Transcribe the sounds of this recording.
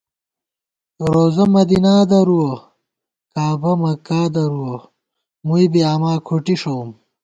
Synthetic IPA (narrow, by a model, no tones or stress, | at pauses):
ɾoːzɐmɐd̪inaːd̪ɐɾuwɐ | kaːbɐmɐkaːd̪ɐɾuwo | muibiamaːkʰuʈiʂowm